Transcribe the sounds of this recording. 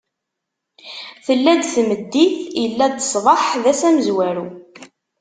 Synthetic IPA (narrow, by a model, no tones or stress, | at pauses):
θəlːæd̪θməd̪ːiθjəlːæd̪sˤðˤɑħðæsæməzwæɾu